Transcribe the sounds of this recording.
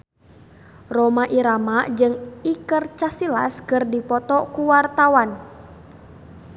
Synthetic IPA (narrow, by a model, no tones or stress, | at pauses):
romaʔiɾamaʔd͡ʒɨŋikərt͡ʃasila̰skɨrdipɔt̪ɔkuwart̪awan